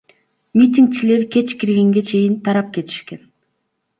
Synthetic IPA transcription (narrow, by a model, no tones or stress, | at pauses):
mʲit̪̬ʲiŋk̚t͡ʃile̞ɾkʲʰe̞t͡ʃkʲiɾɡe̞ŋɡe̞t͡ʃʰe̞jint̪ʰɑɾɑp̚kʲe̞t̪i̥ʃke̞n